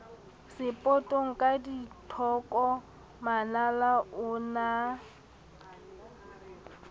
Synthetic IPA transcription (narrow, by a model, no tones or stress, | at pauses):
sɪpʼɔtʼoŋ̩kʼaditʰɔkʼɔ | manalaʔʊna